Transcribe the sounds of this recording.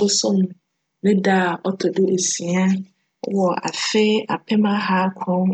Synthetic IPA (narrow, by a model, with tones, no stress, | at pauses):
ʊ˦sʊ̃˦m | nɪ̃˦da˦˨ɔ˦tʰɔ˨dɪ˦ʔe˨si˨a˦ | wɔ˨a̰˨fe˦a˨pʰɛ˦mã˦ɦaː˦kʷʰɔ̃˦